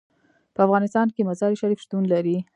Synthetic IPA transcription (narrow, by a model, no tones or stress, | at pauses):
pəafɣɑnɪst̪ɑnkemazɑɾiʃaɾifʃt̪unlaɾi